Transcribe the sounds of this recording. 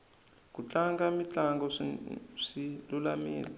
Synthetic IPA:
k̬ut͡ɬaŋɡamit͡ɬaŋɡɔ | ʂilulamḭːlɛ

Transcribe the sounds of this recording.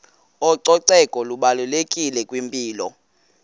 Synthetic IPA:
ɔǀɔǀɛkʼɔluɓalulekʼilɛkʼwimpʼiːlɔ̰

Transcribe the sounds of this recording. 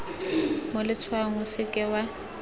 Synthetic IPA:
mʊlɪt͡sʰwaŋ̩ʊsɪkʼɪwa

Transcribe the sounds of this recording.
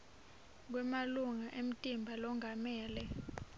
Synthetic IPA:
k̬wɛmaluŋaʔem̩tʼimbʱalɔŋʱamɛːlɛ

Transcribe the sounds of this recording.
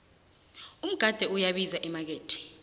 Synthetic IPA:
um̩ɡ̥ʱad̥ʱɛujaɓizaʔimak̬eːtʰi̥

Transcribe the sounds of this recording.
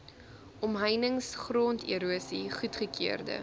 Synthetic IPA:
ʔɔmɦəjnəŋsχroːntʰḭəɾuəsiχutχəkʰiərdə̰

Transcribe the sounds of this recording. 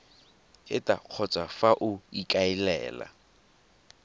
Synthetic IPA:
ɪtʼaq͡χʰɔt͡sʼafaʔʊikʼaɪlɛ̰ːla̰

